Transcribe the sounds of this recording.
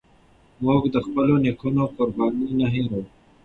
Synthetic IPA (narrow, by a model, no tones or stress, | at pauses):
moːkd̪əxpəlonikʰunokʊɾbɑːninɐɦĩɾɐwu